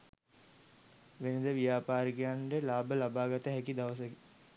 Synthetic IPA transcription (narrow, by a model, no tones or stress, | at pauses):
ʋenəd̪əʋijaːpaːɾikijaɳɖəlaːbəlabaːɡat̪əɦækid̪aʋəs̬əki